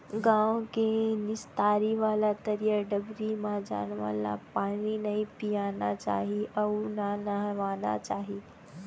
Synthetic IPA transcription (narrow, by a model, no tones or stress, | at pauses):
ɡãwkenist̪aɾiʋalat̪əɾijəɖəbɾimad͡ʑa̰nʋa̰la̰paɽinaipijanat͡ɕa̰ɦiʔananaɦʋana̰t͡ɕaɦi